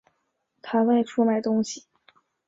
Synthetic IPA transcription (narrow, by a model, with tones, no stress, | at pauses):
t̪ʰa˥wa˥˧ɪʈ͡ʂʰu˥ma˨˩ɪt̪ʊ˥ŋɕi˨˩